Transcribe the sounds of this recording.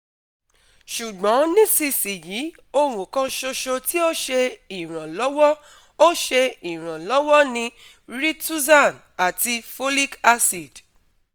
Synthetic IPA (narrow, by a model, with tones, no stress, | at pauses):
ʃu˨ɡ͡bɔ̃˨˦nĩ˦si˧si˨ji˨˦ | o˧ɾ̃ũ˨kã˧ʃo˧ʃo˧ti˦o˦ʃe˧i˨ɾ̃ã˨lɔ˨˦wɔ˦ | o˦ʃe˧i˨ɾ̃ã˨lɔ˨˦wɔ˦nĩ˧ | ɾi˦tu˦sa˦˨n | a˨ti˧fo˦li˦ka˧si˨d̥